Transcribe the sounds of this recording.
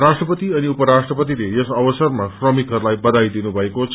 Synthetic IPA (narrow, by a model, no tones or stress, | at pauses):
rasʈrʌpʌt̪iʌniupʌɾasʈrʌpʌt̪̬ilejʌsʌbʌsʌrmasrʌmikɦʌrlajbʌd̪ajd̪inubʱʌekot͡sʰ